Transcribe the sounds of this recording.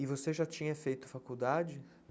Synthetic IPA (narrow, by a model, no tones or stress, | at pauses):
ɪvoseʒat͡ʃĩɲɐfejt̪ʊ̥fakuwd̪ad͡ʒɪ